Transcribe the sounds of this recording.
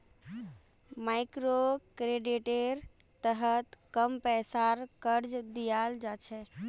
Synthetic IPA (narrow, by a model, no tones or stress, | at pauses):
majkɾokɾeɖiʈeɾ | t̪əɦət̪kəmpɛjsaɾkəɾd͡ʒd̪ijald͡ʒat͡ʃʰɛ